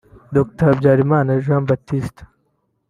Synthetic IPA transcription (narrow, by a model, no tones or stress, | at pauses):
d̪ok̚t̪ɐɾbd͡ʑaːɾimaːnɐʒambɐt̪ːist̪